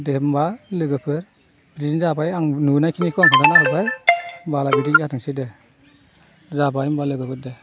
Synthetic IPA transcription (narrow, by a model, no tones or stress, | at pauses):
dembalɯɡɯpʰɯɾ | bɾinzabajaŋnunajkʰinikʰɯaŋkʰaɡanaɦɯbajbalabidikjatʰɯŋside | zabajmbalɯɡɯpʰɯɾde